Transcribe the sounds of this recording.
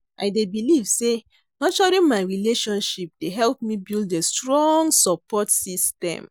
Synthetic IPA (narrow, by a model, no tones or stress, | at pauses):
ʔa̰ɪdebilivse | nɔʃɔɾĩmaɪɹileʃɔ̃nʃip̚deɦɛlpmibildestɹɔ̃ŋɡsɔpɔtsistɛ̰̃m